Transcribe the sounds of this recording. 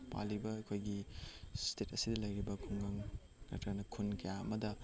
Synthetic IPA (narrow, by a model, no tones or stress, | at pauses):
pa̰libɐɐkʰojɡistetɐsidɐlɐjɾibɐkʰuŋɡaŋ | nɐ̰tɾɐnɐkʰunkɐjaɐmɐdɐ